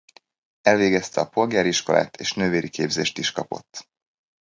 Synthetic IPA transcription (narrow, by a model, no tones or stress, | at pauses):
ɛlveːɡɛst̪ɛɒpo̞lɡaːɾiʃko̞lʔa̰ːt̪ʰeːʃnøːveːɾʔikeːbzeːʃt̪iʃkɒpo̞̰t̪ː